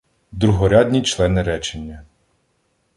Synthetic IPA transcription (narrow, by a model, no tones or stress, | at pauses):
d̪ɾʊɦɔɾʲad̪ʲnʲit͡ʃlˠɛnɪɾɛt͡ʃenʲːɐ